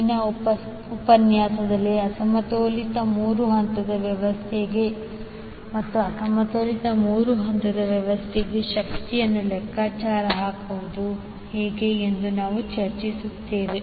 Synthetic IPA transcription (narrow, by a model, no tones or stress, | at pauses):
inɐpɐ | upɐnjaːsɐd̪ɐlːiɐsɐmɐt̪oːlit̪ɐmuːɾuɦɐnt̪ɐd̪ɐʋjɐʋɐst̪ʰɛɡe | mɐt̪ːuɐsɐmɐt̪oːlit̪ɐmuːɾuɦɐnt̪ɐd̪ɐʋjɐʋɐst̪ʰɛɡeʃɐkt̪ijɐnːulɛkːaːt͡ʃaːɾɐɦaːkuʋud̪u | heːɡe̞ːnd̪unaːʋut͡ʃɐɾt͡ʃisut̪ːeːʋe